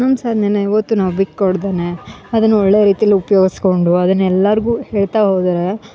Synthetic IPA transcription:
nɐmsaːd̪ʱnɐːneiʋɐt̪ːunaːʋbikːkoɽd̪eneɐd̪ɐnːuɔɭːeːɾiːt̪ijɐlːiupɐjo̞ːɡisko̞ɳɖuɐd̪ɐnːɛlːɐɾɡuːhe̞ːɭt̪aɦoːd̪aɾe

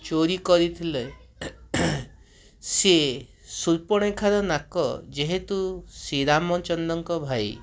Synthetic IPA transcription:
t͡ʃoɾikɔɾit̪ʰile | se | suɾpɔɽ̃ekʰaɾɔnakɔ̰d͡ʒeɦet̪usiɾamɔt͡ʃɔnd̪ɔŋkɔbʱaj

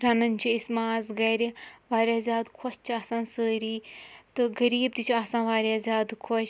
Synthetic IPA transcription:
ɾɐnɐnʲt͡ʃʰiismaːzɡɐɾiʋaːɾjaːzʲjaːd̪kʰɔt͡ʃt͡ʃʰiasãːsəːɾiːt̪ɨɡɐɾiːb̚d̪it͡ʃʰaːsãːʋaːɾʲjaːzʲjaːd̪kʰot͡ʃ

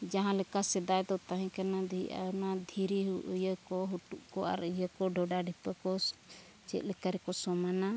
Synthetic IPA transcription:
d͡ʒaɦãlɛkasɛd̪ajd̪ɔt̪ãɦɛ̃kanad̪iiʔa̰nad̪ʱiɾiɦuʔujəkɔɦuʈuʔkɔa̰ɾəjəkɔɖʱɔɖaɖʱipəkɔ | t͡ʃɛ̰t̪̚ˀlɛkaɾɛkɔsɔmana

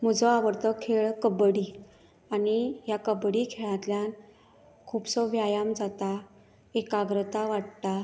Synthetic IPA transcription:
m̤əd͡zɔaʋəɾt̪əkʰːeɭkəbɽi | anijakəbɽikʰeɭãt̪ljan | kʰuːpsɔʋjajamd͡zat̪a | ekaɡɾət̪aʋaʈt̪a

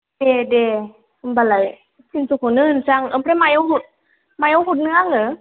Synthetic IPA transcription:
dede | mbalaj | sʰinsukʰunɯnsaŋʔɯmpʰɾamajohut̪̚ | majohut̪̚nɯaŋɯ

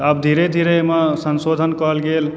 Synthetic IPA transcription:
əb̚d̪ʱiɾed̪ʱiɾemasənsod̪ʱənkəɦəlɡel

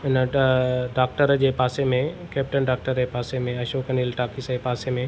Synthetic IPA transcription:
ɪnəɖaːk̚ʈəɾd͡ʑeːpaːsemẽkɛːp̚ʈənɖaːk̚ʈəɾd͡ʑeːpaːsemẽɐʃoːkɐniːlʈaːkisepaːsemẽ

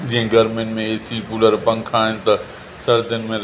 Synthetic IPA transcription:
d͡ʑĩɦɪ̃ɡɐɾmenmẽeːsipuːləɾpɐ̃ŋkʰaːɦɪnɪ̆t̪ɐ | sɐɾd̪ʱɪnɪ̆mẽɾ

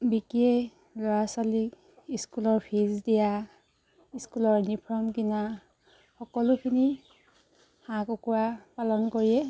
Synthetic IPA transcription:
bikie | lɔɹasalik | iskulɔɹpʰizdija | iskulɔɹnipʰɹɔmkina | xɔkɔlʊkʰini | hãkɔkuwapalɔnkoɹiɛ

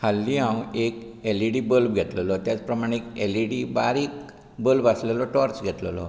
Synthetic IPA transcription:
kʰalːiɦãwekeliɽibəlbɡʱɛt̪ləlɔt̪jat͡spɾəmaɽ̃ẽekeliɽibaɾik | bəlbaslelɔʈɔɾt͡sɡʱɛt̪ləlɔ̰

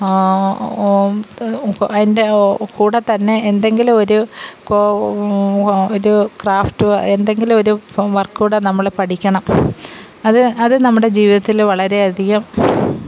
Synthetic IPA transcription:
ɐðindekuːɽɐt̪ːɐnːe̞ːnd̪e̞ŋɡilumo̞ɾuko | oɾukraːftɨend̪e̞ŋɡilmo̞ɾuʋɐrkːuːɽɐnɐmːɐɭpɐʈʰikʲːɐɳɐm | ɐðɨɐðɨnɐmːuɽe̞d͡ʑiːʋiðɐt̪ːilʋɐɭɐɾe̞ɐd̪ʱiɣɐm

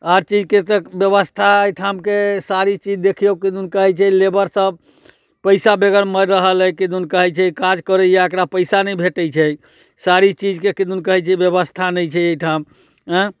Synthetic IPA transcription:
aɾt͡ʃid͡ʒket̪əbjəβəst̪ʰaejʈʰamkesaɾit͡ʃid͡ʒd̪ekʰijokid̪unkəɦɛt͡ʃʰɛlebəɾsəb | pəɪsabeɡəɾməɾɾəɦələjkid̪unkəɦɛt͡ʃʰɛikad͡ʒkəɾəjeəkɾapəɪsanəjbʱeʈəjt͡ʃʰɛ | saɾit͡ʃid͡ʒkekid̪unkəɦɛt͡ʃʰɛbjəβəst̪ʰanɛjt͡ʃʰɛejʈʰam̃

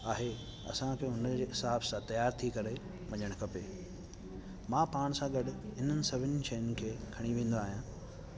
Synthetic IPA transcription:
aːɦe | ɐ̰sãkʰeːʊnəd͡ʑeːɦɪsaːbsãt̪ɐjaːɾt̪ʰikɐɾe | ʋɐɲəɽ̃kʰɐpeː | mãːpaːɽ̃sãɡɐɗɪɦɪn̤ənɪ̆sɐbʱɪnɪʃɐːjənɪ̆kʰeːkʰɐɽ̃iʋẽːn̆d̪oaːɦijã

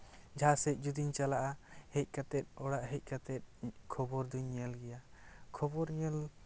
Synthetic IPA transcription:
d͡ʒʱasɛc̚d͡ʒud̪iɲt͡ʃalaʔahɛc̚ˀkat̪ɛt̪̚ɔɽaʔɦɛc̚ˀkat̪ɛt̪̚ˀkʰɔbɔɾd̪uɲəlɡɛjakʰɔbɔɾɲɛl

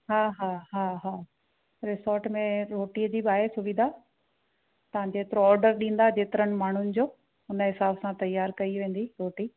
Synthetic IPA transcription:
ɦaːɦaːɦaːɦaː | ɾɪsɔːɾʈmẽɾoːʈiəd͡ʑiːbɪaːɦesʊʋɪd̪ʱa | t̪ɐʋ̤ãd͡ʑeːt̪ɪɾoɔːɾɖəɾɗĩːn̆d̪ad͡ʑeːt̪ɪɾənɪ̆maːɳ̤ʊnɪ̆d͡ʑoː | ʊnəɦɪsaːbsãt̪ɐjaːɾkɐiʋẽːn̆d̪iɾoːʈiː

